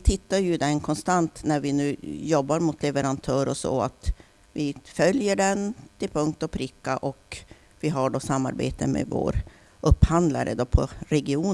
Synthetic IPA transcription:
t̪ʰɪt̪ːajɵd̪ɛnkʰɔnst̪ant̪næɾvɪnʉ̟ːjɔbːaɾmʊt̪ʰlɛvəɾant̪ʰœːɾɔsɔ̰ːa̰t̪ | vɪfœljəɖɛnt̪ʰɪlpʰɵŋk̚t̪ɔpʰɾɪkːaʔɔk | vɪɦaɖosamːa̰ɾbeːt̪əmḛvo̰ːɾ | ʔɵpːhand̪la̰ɾə̰d̪opʰɔ̰ɾɛɡɪuː

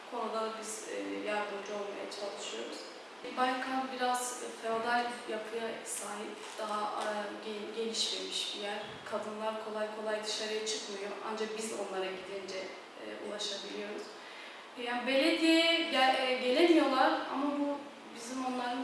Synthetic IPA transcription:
kʰo̞nud̪ad̪abizɛːjaɾd̪umd͡ʒuo̞lˠma̰ja̰t͡ʃʰalˠɯʃɯjo̞ɾuz̥ | balkʰanbiɾaz̥feod̪alʲjapʰɯjasaːɦip | d̪̥aɦa | ɟe̞nʲiʃme̞miʃbijæɾ̥ | kʰad̪ɯnlˠaɾkʰo̞lˠajkʰo̞lˠajd̪ɯʃaɾɯjat͡ʃʰɯkmɯjoʔa̰nd͡ʒak̚bizo̞nlˠaɾaɟid̪ind͡ʒɛ | ɛ̰ːṵlˠaʃabilʲijo̞ɾuz̥ | jaːnibelʲːɛd̪ijɛ | ɟe̞lʲemijo̞lˠaɾa̰mabu | bizimo̞nlˠaɾɯn

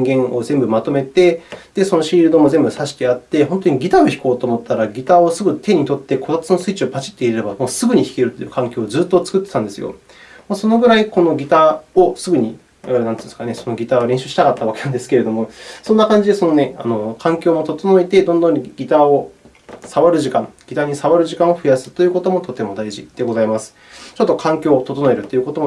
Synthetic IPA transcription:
ɲiŋɡẽ̞ɰ̃o̞zembɯ̟mat̪o̞me̞t̪e̞d̪̥e̞so̞no̞ɕiːɾɯ̟d̪o̞mo̞zẽ̞mbɯ̟saɕi̥t̪e̞at̪ːe̞ɦõ̞nt̪oɲ̟iɡʲit̪aoçi̥ko̞ːt̪o̞ːmo̞t̪ʰːaɾaɡʲit̪aosɨɡɯ̟t̪ʰe̞ɲ̟it̪o̞t̪ːe̞kʰo̞t̪at͡sɨno̞sɨit͡ɕiopat͡ɕi̥t̪ːe̞iɾeɾe̞bamo̞ːsɨɡɯ̟ɲ̟içi̥keɾɯ̟t̪ːojɯ̟kãŋkʲo̞ːzɨːt̪ːo̞t͡sɨ̥kɯ̟t̪ːe̥t̪ãnd̪e̞sɨjo̰ | moso̞no̞ɡɯ̟ɾaiko̞no̞ɡʲit̪ao̞sɨɡɯ̟ɲ̟i | aaɾenãnɨ̥̃ːskane̞so̞no̞ɡʲit̪aβɾẽɕɨːɕi̥akat̪ːaβake̞nãnd̪e̞sɨ̥kee̞d̪o̞mo̞sonːakãɲ̟d͡ʑid̪e̞so̞no̞ne̞a̰no̞kʰãŋkʲo̞ːmo̞t̪o̞t̪o̞no̞et̪e̞d̪õ̞nd̪õ̞ŋɡʲit̪ao̞ | saβaɾɯ̟ʑikãŋɡʲit̪aɲ̟isaβaɾɯ̟ʑikão̞ɸɯ̟jasɨ̥t̪o̞jɯ̟ːko̞t̪o̞mo̞t̪o̞t̪e̞mo̞d̪aiʑḭd̪̥e̞ɡo̞zaimasɨ̥ | t͡ɕo̞t̪ːokʰãŋkʲo̞ːt̪ot̪o̞no̞e̞ɾɯ̟t̪ːeiɯ̟ko̞t̪omo

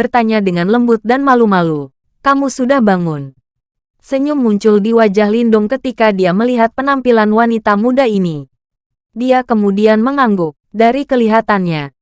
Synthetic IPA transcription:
bərt̪aɲadəŋanləmbʊt̪̚danmalumalu | kamusudahbaŋʊn | səɲʊmːuɲt͡ʃʊldiwad͡ʒahlindʊŋkət̪ikadiaməliɦat̪̚pənampilanwanit̪amudaini | diakəmudianməŋaŋɡʊk̚daɾikəliɦat̪anɲa

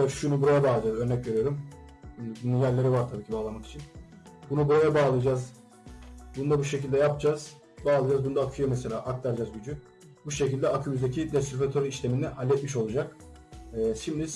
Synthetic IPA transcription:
ɛʃunubuɾajabaːlˠad͡ʒazø̞ɾnɛcve̞ɾyjo̞ɾumː | bununjælʲːe̞ɾivaɾt̪ʰabiːcʰibaːlˠamaki̥t͡ʃʰin | bunubuɾajabaːlˠɯjad͡ʒaz | bunud̪abuʃe̞cilʲd̪ɛjapd͡ʒaz̥ | baːlˠɯjd͡ʒazbunud̪aːkʰɯjomɛse̞lʲaːʔak̚t̪ʰaɾd͡ʒazɟyd͡ʒy | buʃe̞cilʲd̪ɛakʰɯmyzd̪ecʰid̪ɛst̪iɾfet̪ʰoɾiʃlʲe̞mind̪ɛhalʲːɛt̪̚miʃ̬o̞lˠud͡ʒak | ɛːʃimd̪i

